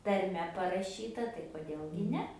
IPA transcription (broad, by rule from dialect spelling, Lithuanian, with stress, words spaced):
tɐrʲˈmʲɛ pɐrɐˈʃʲiːtɐ tɐɪ koːˈdʲeːlˠ ɡʲɪ ˈnʲɛ